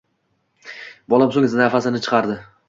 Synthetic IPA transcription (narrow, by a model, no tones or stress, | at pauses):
bɒlˠamsoŋɪznafasɪnɪt͡ʃʰɨ̥qʰɑɾd̪ɪ